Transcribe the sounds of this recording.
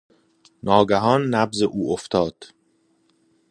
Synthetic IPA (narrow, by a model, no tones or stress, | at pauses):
nɒːɡæɦɒːnːæbzeʔuːʔoft̪ʰɒːd̪̥